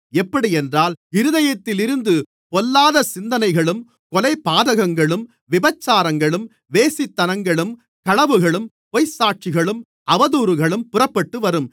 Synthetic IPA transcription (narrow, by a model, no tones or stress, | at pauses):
ɛpːɐɽiɛndraːlɪɾɯðɐjɐt̪ːɪlɪɾɯnd̪ɯ | pɔlːaːðɐsɪnd̪ɐnɐɪɣɐɭɯm | kɔlɐɪpːaːðɐɣɐŋɡɐɭɯm | ʋɪbɐt͡ʃːaːɾɐŋɡɐɭɯm | ʋeːsɪt̪ːɐnɐŋɡɐɭɯm | kɐɭɐʋɯɣɐɭɯm | pɔjsaːʈ̚t͡ʃɪɣɐɭɯm | ʔɐʋɐðuːɾɯɣɐɭɯmpʊrɐpːɐʈːɯʋɐɾɯm